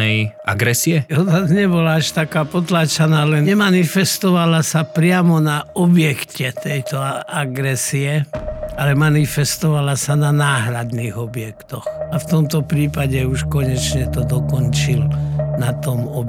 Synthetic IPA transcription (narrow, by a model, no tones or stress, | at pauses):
ɛjʔa̰ɡɾɛsiɛɔnazɲɛbɔlaaʃt̪akaːpɔt̪lat͡ʃanaːlɛnɛmanifɛst̪ɔʋalasapɾɪamɔnaɔbjɛkcɛt̪ɛjt̪ɔaaɡɾɛsiɛalɛmanifɛst̪ɔʋalasananaːɦɾad̪niːɣɔbjɛkt̪ɔxaft̪ɔmt̪ɔpɾiːpaɟɛuʃkɔɲɛt͡ʃɲɛt̪ɔd̪ɔkɔnt͡ʃilnat̪ɔmɔb